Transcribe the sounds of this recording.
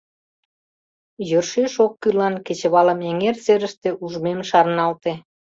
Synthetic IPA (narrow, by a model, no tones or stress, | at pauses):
jørʃeʃokːylɑnket͡ɕəβɑləmeŋerseɾəʃt̪eʔuʒmemʃɑrnɑlt̪e